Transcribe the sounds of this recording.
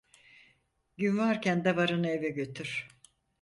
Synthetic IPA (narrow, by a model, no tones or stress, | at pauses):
ɟynvaɾkcænd̪avaɾɯnevɛɟøt̪ʰyɾ̥